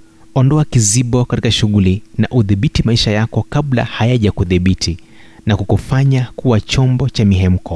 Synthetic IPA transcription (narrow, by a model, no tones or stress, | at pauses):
ɔndɔakiziɓɔkatikaʃuɣulinaʔuðiɓitimaiʃajakɔkabla̰hajaʄakuðiɓitʰi | nakukufaɲakuwat͡ʃɔmbɔt͡ʃamiɦɛm̩kɔ